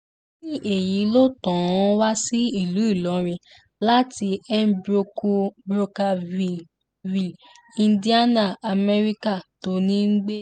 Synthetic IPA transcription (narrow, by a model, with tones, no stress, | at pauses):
nĩ˦ʔe˨ji˨˦lo˦tɔ̃˨ɔ̃˦wa˦si˦i˦˨lu˨˦i˦˨lɔ˨˦ɾ̃ĩ˧ | la˦ti˧ɛ˦bɾo˧ko˧bɾo˧ka˧i˨ | vi˨ | ĩ˧ndi˦a˦nã˦˨a˨mɛ˧ɾi˦ka˦˨to˧nĩ˦ŋ̩˦ɡ͡be˦